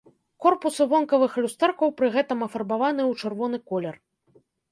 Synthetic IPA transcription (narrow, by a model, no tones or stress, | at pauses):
kɔrpusɨvɔnkɐvɨxlʲust̪ɛrkɐwpɾɨɣɛt̪ɐmɐfɐrbavanɨwt͡ʂɨrvɔnɨkɔlʲɛr